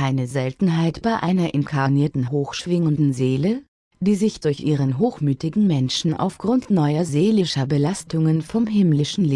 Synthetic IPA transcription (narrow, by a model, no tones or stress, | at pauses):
aɪnəzɛltn̩ɦaɪtb̥aɪʔaɪnɐʔɪnkʰaniːɐtn̩ɦoːxʃv̥ɪŋəndn̩zeːlə | d̥iːzɪçd̥ʊɐçʔiːʁ̞ənɦoːxmyːtɪɡŋ̩mɛnʃn̩ʔa̰ʊfɡ̥ʁʊntnɔʏɐzeːlɪʃɐbəlastʰʊŋənfɔmɦɪmlɪʃn̩leː